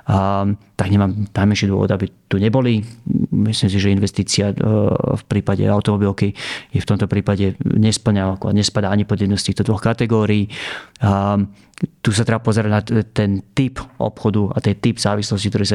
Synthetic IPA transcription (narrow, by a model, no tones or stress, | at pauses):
t̪aɡɲɛmaːmnajmɛnʃid̪ʊɔ̰ʋɔ̰d̪abit̪uɲɛbɔlimislims̬iʒɛinʋɛst̪iːt͡siafpɾiːpaɟɛ̰aʊt̪ɔmɔbilkijɛft̪ɔmt̪ɔpɾiːpaɟɛɲɛspl̩ɲaakɔa̰ɲɛspad̪aːaɲipɔd̪jɛd̪nɛst̪iːxt̪ɔd̪ʋɔxkat̪ɛɡɔːɾiiː | t̪usat̪ɾɛbapɔzɛɾaɟnat̪ɛnt̪ipʔɔ̰pxɔd̪ua̰t̪ɛt̪ibz̥aːʋislɔs̬cikt̪ɔɾɛs̬a